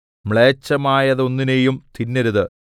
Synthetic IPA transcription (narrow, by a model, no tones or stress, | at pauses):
mɭeːt͡ɕːɐmaːjɐðo̞nːinejumt̪inːɐɾuðɨ